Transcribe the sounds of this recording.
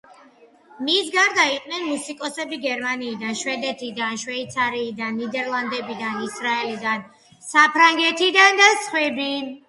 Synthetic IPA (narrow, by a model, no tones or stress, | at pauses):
misɡaɾd̪aiqʼnɛnmusikʼɔsɛbiɡɛɾmaniːd̪anʃwɛd̪ɛt̪ʰid̪anʃwɛit̪sʰaɾiːd̪anːid̪ɛɾlˠand̪ɛbid̪anisɾaɛlid̪an | sapʰɾaŋɡɛt̪ʰid̪and̪asχwɛbin